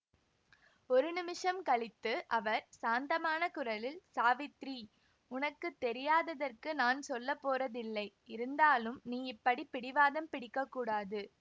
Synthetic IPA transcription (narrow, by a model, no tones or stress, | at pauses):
ɔɾɯnɪmɪʂɐmkɐɭɪt̪ːɯʔɐʋɐɾsaːnd̪ɐmaːnɐkʊɾɐlɪlsaːʋɪt̪ɾi | ʊnɐkːɯt̪ːɛɾɪjaːðɐðɐrkɯnaːnsɔlːɐpːoːrɐðɪlːɐɪ | ɪɾɯnd̪aːlɯmniːɪpːɐɽipɪɽɪʋaːðɐmpɪɽɪkːɐkːuːɽaːðɯ